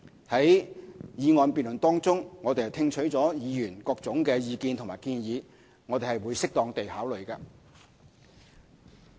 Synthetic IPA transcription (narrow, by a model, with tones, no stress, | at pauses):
hɐ˨˥jjiː˨˧ŋɔː˨npiː˨nlɵ˨˩nt̪ɔː˥ŋt͡sʊ˥ŋŋɔː˨˧t̪e˨jt̪ʰɪ˧ŋt͡ʃʰɵ˨˥ɥt͡sɔː˨˥jiː˨˧jyː˨˩nkɔː˧k̚t͡sʊ˨˥ŋkɛː˧jiː˨˧kiː˧nt̪ʰʊ˨˩ŋmaː˨˩jkiː˧njiː˨˧ | ŋɔ˨˧t̪e˨˩hɐ˨jwuː˨˧jsɪ˥k̚t̪ɔː˧ŋt̪e˨jhaː˨˥wlɵ˨ɥkɐː˧